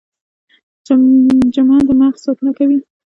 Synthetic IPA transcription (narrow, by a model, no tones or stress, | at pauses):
d͡ʒamad̪əmaxsɑt̪unakawi